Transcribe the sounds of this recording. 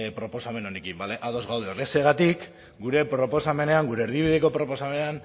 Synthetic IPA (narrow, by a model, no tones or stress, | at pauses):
pɾo̞po̞same̞no̞nekimbale̞ʔaðo̞zɣawð̞eoreseɣat̪ik | ɡuɾe̞pɾo̞po̞same̞ne̞aŋɡuɾe̞ːɾðiβiðeko̞pɾo̞po̞same̞nean